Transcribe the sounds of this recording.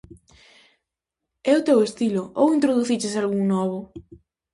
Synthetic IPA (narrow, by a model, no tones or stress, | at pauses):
ɛʊt̪ewest̪ilʊowint̪ɾoðuθit͡ʃesalɣuŋnɔβ̞ʊ